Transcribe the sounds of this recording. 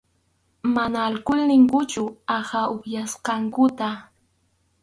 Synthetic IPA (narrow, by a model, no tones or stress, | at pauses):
manaːlkʊlnɪŋkʊt͡ʃʊahaʊkjasqɑŋkʊt̪a